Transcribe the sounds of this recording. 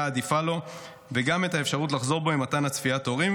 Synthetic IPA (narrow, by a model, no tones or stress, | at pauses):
aːd̪ifalo̞ | veɡame̞tae̞fʃaʁutlaχzo̞ʁbo̞imatanhat͡sfiato̞ʁim